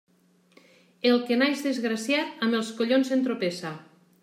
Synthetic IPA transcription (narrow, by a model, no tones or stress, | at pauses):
elˠkenajzðezɣɾasjat̪amelˠskoʎonzent̪ɾopesa